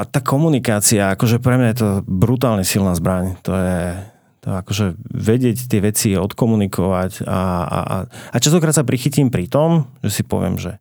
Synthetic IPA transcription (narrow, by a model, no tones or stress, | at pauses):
t̪aːkʰɔmunikaːt͡siaakɔʒɛpɾɛmɲajɛt̪̬ɔbɾut̪aːlɲɛsilnaːzbɾaɲt̪ɔjɛ | t̪ɔ̰ɛakɔʒɛʋɛɟɪɛct̪ɪɛʋɛt͡siɔt̪kɔmunikʰɔʋaca̰a̰a̰at͡ʃas̬t̪ɔkɾat̪sapɾixicimpɾit̪ɔmʒɛsipɔ̰ʋɪɛ̰mʒɛ̰